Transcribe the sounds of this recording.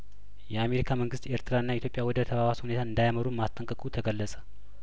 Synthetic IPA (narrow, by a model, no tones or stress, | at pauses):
jɛame̞ɾikʰaməŋɡɨst̪eɾt̪ʰɨɾaɨnːajɛit̪ʰjo̞pʼjawɔd̪ət̪ʰəβaβashune̞t̪aɨnd̪ajaməɾumast̪ʼːəŋkʼəkʼut̪ʰəɡəlːəsʼə̥